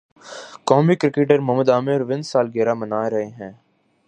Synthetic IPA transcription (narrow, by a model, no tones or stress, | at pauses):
kɔːmikɾɪkeːʈəɾmɐɦməd̪aːmɪɾʋɪ̃nsaːlɡeːɾamənaːeɾɐɦeɦɛ̃ː